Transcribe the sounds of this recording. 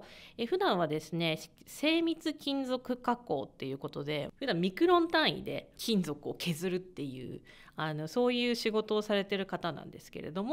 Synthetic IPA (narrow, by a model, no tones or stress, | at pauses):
eɸɯ̟d̪ãɰ̃βad̪e̞sɨne̞se̞ːmʲit͡sɨkʲĩnd͡zo̞kɯ̟kakːo̞̰ːt̪ːe̞jɯ̟ːko̞t̪o̞d̪e̞ɸɯd̪ãmmʲikɯ̟ɾõ̞nt̪ãɰ̃ḭd̪e̞̰kʲʰĩnd͡zo̞kɯ̟o̞ke̞zɨɾɯ̟t̪ːe̞jɯ̟̰ː | ano̞so̞ːjɯ̟ːɕiɡo̞t̪o̞ːsaɾe̞t̪e̞ɾɯ̟kat̪anã̰nd̪e̞sɨ̥ke̞ɾʔe̞̰d̪o̞mo